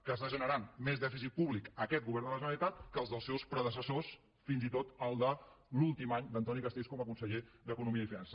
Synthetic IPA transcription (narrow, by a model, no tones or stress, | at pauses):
kəst̪aʒənəɾanmezðɛfis̬it̪̚puβlikəkɛt̪̚ɡuβɛɾrnd̪ələʒənəlit̪at̪kəːlˠzðəlˠsɛwspɾəðəsəsos | finzit̪ot̪əlˠd̪əlulˠt̪imaɲd̪ənt̪ɔnikəst̪eskɔməkunsəʎed̪əkunumiəifinansə